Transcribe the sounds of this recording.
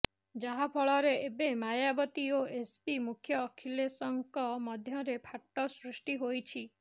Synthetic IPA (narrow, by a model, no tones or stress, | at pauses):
d͡ʒaɦapʰɔɭɔɾeʔebemajabɔt̪ioespimukʰjɔːkʰilesɔŋkɔmɔd̪ʱjɔɾepʰaʈːɔsɾusʈiɦojt͡ʃʰi